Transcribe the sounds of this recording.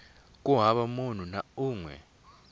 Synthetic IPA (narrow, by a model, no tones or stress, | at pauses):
k̬ʼuɦaɓamon̤unauːŋwɛ̰